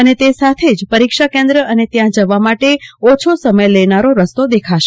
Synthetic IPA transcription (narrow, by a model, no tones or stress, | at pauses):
ənet̪esat̪ʰed͡ʒpəɾikʃakẽnd̪ɾəənet̪jãd͡ʒəʋamaʈeɔt͡ʃʰosəməjləjnaɾoɾəst̪od̪ekʰaʃe